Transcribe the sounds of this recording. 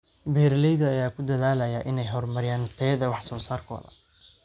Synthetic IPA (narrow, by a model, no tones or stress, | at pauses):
bɛːɾlɛjðɐːjaːkʰʊd̪ɐðaːlɐjaʔɪnɛjɦɔrmɐɾɪjaːnt̪ʰɛːðɐwɑħsɔːsaːrkʰɔ̰ðɐ̰